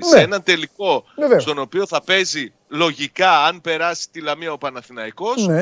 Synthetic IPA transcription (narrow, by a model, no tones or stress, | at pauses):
sseenɐnt̪e̞liko̞st̪o̞no̞pio̞θɐpe̞zi | lo̞ʝikɐɐnpe̞ɾɐsi̥t̪ilɐmiɐopɐnɐθinɐiko̞se